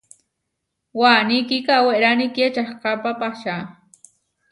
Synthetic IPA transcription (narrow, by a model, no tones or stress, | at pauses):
wanikikaweɾaniket͡ʃaχqapapaʃa